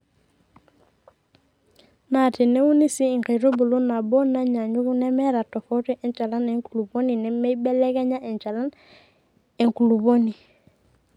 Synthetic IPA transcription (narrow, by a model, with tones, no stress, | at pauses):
na˨ti˨nɛ˦u˦ni˦siː˦˨ŋka˨ɾo˦bu˨lo˦na˨bɔ˦na˦ɲa˨ɲu˦ku˦nɛ˦mɛ˦ɾa˨tɔ˨fɔ˦ti˦ʔɛ˨nt͡ʃa˨la˦nɛ˨ŋku˨lu˨bo˦ni˨nɛ˨mɛ˦bɛ˦lɛ˦kɛ˦ɲa˦ʔɛ˨nt͡ʃa˨la˦n | ɛ˨ŋku˨lu˨bo˦ni˨